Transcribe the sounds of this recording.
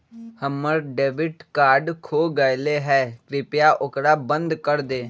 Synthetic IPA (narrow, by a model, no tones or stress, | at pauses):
həmːəɾɖeːbɪʈkaːɾɖkʰoːɡəjleːɦɛːkɾɪpjaːʔʊkɾaːbə̃nd̪kəɾd̪eː